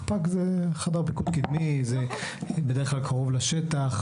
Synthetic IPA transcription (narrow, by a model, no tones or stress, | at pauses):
pakzeχad̪aʁpikud̪̚kid̪mizebedeχklalkʰaʁovlaʃet̪aχ